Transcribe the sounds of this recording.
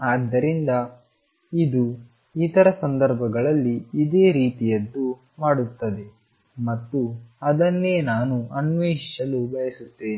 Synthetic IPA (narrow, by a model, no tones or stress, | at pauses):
aːd̪ːɐɾind̪ɐ | id̪u | it̪ɐɾɐsɐnd̪ɐɾbʱɐɡɐɭɐlːiːd̪e̞ːɾiːt̪ijɐd̪ːu | maːɽut̪ːɐd̪e̞ | mɐt̪ːuɐd̪ɐnːe̞ːnaːnuɐnʋiːʃɐlubɐjɐsut̪ːeːni